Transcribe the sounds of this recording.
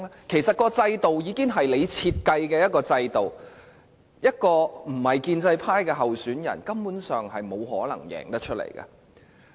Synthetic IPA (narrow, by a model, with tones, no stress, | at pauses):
kʰe˨˩jsɐ˨t̚kɔː˧t͡sɐ˧jt̪o˨wjiː˨˧ki˥ŋɦɐ˨jle˨˧jt͡sʰiː˧t̚kɐ˧jkɛː˧jɐ˥t̚kɔː˧t͡sɐ˧jt̪o˨˩w | jɐ˥t̚kɔː˧m̩˨˩hɐ˨jkiː˧nt͡sɐ˧jpʰaː˥jkɛː˧ɦɐ˨wsyː˨˥njɐ̰˨˩nkɐ˥mpuː˨˥nsœː˨ŋɦɐ˨jmo˨˧wɦɔ̰ː˨˥lɐ̰˨˩ŋjɛ̰ː˨˩ŋt̪ɐ˥t͡ʃʰɵ˥t̚lḛ˨˩jkɐ̰˧